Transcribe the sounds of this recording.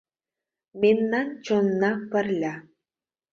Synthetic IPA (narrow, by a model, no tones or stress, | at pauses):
mʲenːɑnt͡ɕonːɑpɘ̆rlʲæ